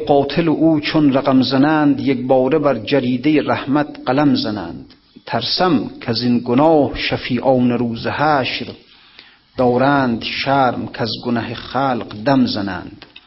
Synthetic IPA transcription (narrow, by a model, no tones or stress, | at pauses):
qɒːt̪ʰeleʔuːt͡ʃʰonræɣamzænæːnd̪jek̚bɒːɾebæɾd͡ʒæɾiːd̪ejeɾæhmæt̪̚ʰqælæmzænæ̰ːnd̪̥ | t̪ʰæɾsæmkʰæzinɡonɒːhʃafiːʔɒːneɾuːzehæːʃɾ | d̪̥ɒːɾæːnd̪ʃæːɾmkʰæzɡonæɦeχæːlqd̪æmzænæ̰ːnd̪̥